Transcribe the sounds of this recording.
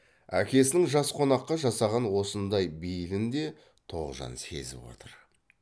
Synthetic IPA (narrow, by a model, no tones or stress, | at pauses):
æ̰kʲe̞s̬ɪnɪŋʒɑsqʰo̞nɑqːɑʒɑsɑʁɑnwo̞sənd̪ɑjbijɪlɪnd̪e̞ | t̪ʰo̞̰ʁʒɑ̰nse̞̰zɪ̰pwo̞̰t̪ʰəɾ